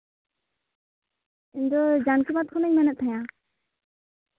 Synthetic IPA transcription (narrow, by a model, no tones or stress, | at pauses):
iɲdɔd͡ʒankimat̪̚kʰɔnɛɲmɛnɛt̚t̪ʰaɲa